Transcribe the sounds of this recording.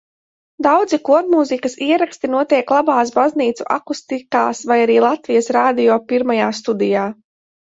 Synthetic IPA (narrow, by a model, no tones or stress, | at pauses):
d̪awd̪zikuɔɾmuzikɐsiɛɾakst̪inuɔt̪iɛklˠabaːs̬bazniːt̪suʔa̰kust̪ikaːsvajaɾiːlˠat̪vijɐsɾaːd̪ijɔːpiɾmajaːst̪ud̪ijaː